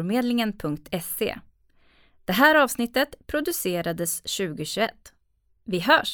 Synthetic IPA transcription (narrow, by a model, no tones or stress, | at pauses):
ɾmeːd̪lɪŋənpʰɵŋk̚t̪ʰɛsḛː | d̪̥ɛɦæːɾɑːvsnɪt̪ːət̪pʰɾʊd̪ɵseːɾad̪əsɕʉ̟ːɡəɕɵɛt̪ː | vɪɦœːʂ